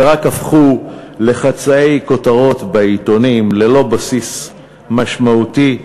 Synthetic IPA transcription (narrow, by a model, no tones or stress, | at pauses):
ʁakafχule̞χat͡saejko̞taʁo̞t̪beit̪o̞nimle̞lo̞basis | maʃmauti